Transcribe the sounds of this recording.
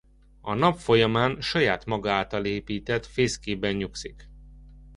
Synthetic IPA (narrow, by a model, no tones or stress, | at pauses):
ɒnɒpfo̞jɒmaːnʃɒjaːt̪mɒɡɒaːt̪ɒleːpiːt̪ɛt̪feːskeːbɛɲɲuksik